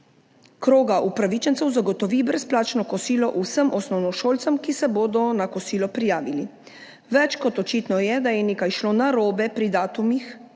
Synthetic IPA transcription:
kɾoːɡaʔupɾaʋit͡ʃɛnt̪ɛwzaɡɔt̪ɔʋibɾɛsplaːt͡ʃnɔkɔsiːlɔʔusəmʔɔsnɔwnɔʃoːlt̪səmkisɛboːd̪ɔnakɔsiːlɔpɾijaːʋili | ʋɛt͡ʃkɔt̪ɔt͡ʃiːt̪nɔjɛd̪ajɛneːkajʃloːnaɾoːbɛpɾid̪aːt̪umix

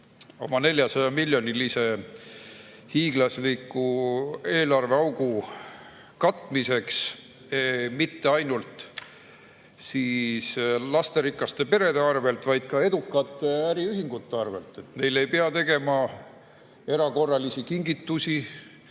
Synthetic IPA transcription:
o̞mɑne̞lʲjɑsɑjɑmilʲjo̞nilise̞ | hiːɡ̥lɑslikːˑue̞ːlɑrve̞ɑwɡ̥u | kɑt̪ːˑmise̞ks | emit̪ːeɑjnult̪ | siːslɑst̪e̞ɾikːˑɑst̪e̞pe̞ɾe̞d̪e̞ɑrve̞lt̪vɑjd̪̥̚kɑe̞d̪ukːˑɑt̪ːˑeæɾiyɦiŋɡ̥ut̪ːˑeɑrve̞lt̪ːe̞t̪me̞jle̞jpeɑt̪e̞ɡe̞mɑ | e̞ɾɑko̞rːɑlisikiŋɡit̪ːusi

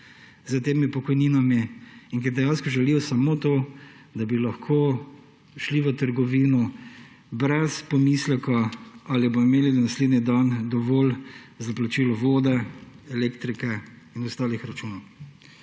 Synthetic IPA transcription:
zət̪eːmipɔkɔjniːnamiːŋkiɾd̪ɛjanskɔʒɛlijɔsɐmoːt̪o | d̪abilɐxkʰo | ʃliʋət̪əɾɡɔʋiːnɔ | bɾɛspɔmislɛkɔalibomimeːlinasleːd̪nid̪and̪ɔʋoːlzaplat͡ʃiːlɔʋoːd̪ɛ | ɛlekt̪ɾikɛ | inɔst̪aːlixɾat͡ʃuːnɔw

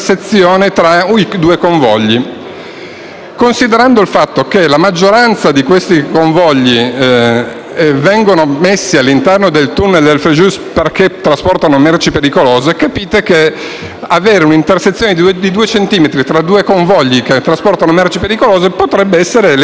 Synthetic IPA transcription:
set̪sːjoːnet̪ɾaid̪uːekoɱvɔʎːi | konsid̪eɾand̪oilfat̪ːokelamad͡ʒːoɾant̪sad̪ikwest̪ikoɱvɔʎːi | vɛŋɡonomesːialːint̪ɛrnod̪elt̪unːeld̪elfɾeʒusperket̪ːɾaspɔrt̪anomɛrt͡ʃipeɾikoloːzekapiːt̪eke | aveːɾeunint̪erset̪sːjoːned̪d̪id̪uːet͡ʃent̪iːmet̪ɾit̪ɾad̪uːekoɱvɔʎːiket̪ːɾaspɔrt̪anomɛrt͡ʃipeɾikoloːzepot̪ɾɛbːeɛsːeɾel

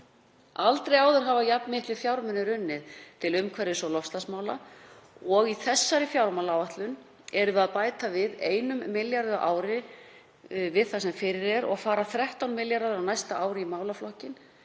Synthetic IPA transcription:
alt̪ɾejaːwðʏɾ̥ɦavajapnmɪht̪lɪfjawɾmʏnɪɾʏnːɪðt̪ʰɪlʏmkʰvɛɾjɪsɔlɔfst̪asmaːwla | ɔɣiθɛsːaɾɪfjawɾmawlawvaht̪lʏn | ɛɾʏʏaðpaːjt̪avɪðeːjnʏmːɪljaɾðʏʔaːwɾɪ | vɪðθasɛmfɪɾɪɾɛɾɔɣfaːɾaθɾɛht̪awnmɪljaɾðʏɾawnajst̪aʔaːwɾɪimaːwlaflɔhcɪn

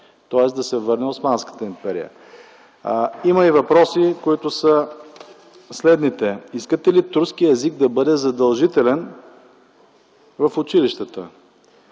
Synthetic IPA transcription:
t̪ɔɛsd̪ɐsɛvɤɾnɛosmanskə̥t̪əimpɛɾḭə̰ | imɐivɐpɾɔsikoit̪ʊsə | slɛd̪nit̪ɛiskət̪ɛlit̪uɾsk̟iɛzik̚d̪ɐbɤd̪ɛzɐd̪ɐlˠʒit̪ɛlɛn | vɐfʊt͡ʃiliʃt̪ət̪ə̰

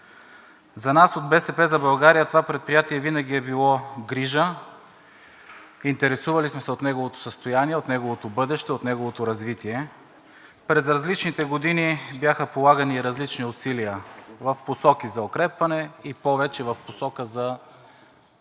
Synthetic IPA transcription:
zɐnasod̪̚bɛsɛpɛzɐbɐlˠɡaɾijət̪ovapɾɛt̪̚pɾijat̪iɛvinɐɡ̟ʲiɛbilˠɔɡɾiʒə | int̪ɛɾɛsuvɐlismɛsɛot̪nɛɡovot̪o̥səst̪ojaniɛot̪nɛɡovot̪obɤd̪ɛʃt̪ɛot̪nɛɡovot̪oɾɐzvit̪iɛ | pɾɛzɾɐzlit͡ʃnit̪ɛɡod̪inibjaxəpolˠaɡəniːɾɐzlit͡ʃniʊsiliəvɐfposɔkizɐokɾɛpvɐnɛipɔvɛt͡ʃɛvɐfposɔkəzɐ

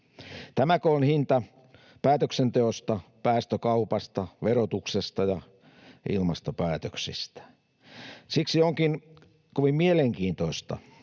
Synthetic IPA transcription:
t̪æmækoonhint̪ɑ | pæːt̪øksent̪eost̪ɑpæːst̪økɑupɑst̪ɑʋerot̪uksest̪ɑjɑ | ʔḭlmɑst̪opæːt̪øksḭst̪æ̥ | siksioŋkin | koʋimmieleŋkiːnt̪oist̪ɑ̰

